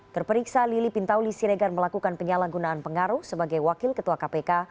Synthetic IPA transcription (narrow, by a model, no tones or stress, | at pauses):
t̪ərpəɾiksalilipint̪awlisiɾeɡarməlakukanpəɲalaɡunaːnpəŋaɾuhsəbaɡajwakɪlkət̪uakapeka